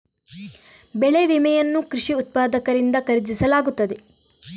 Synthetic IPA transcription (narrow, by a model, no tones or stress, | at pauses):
bɛɭeʋimɛjɐnːukɾiʂiut̪̚paːd̪ɐkɐɾind̪ɐkɐɾid̪isɐlaːɡut̪ːɐd̪e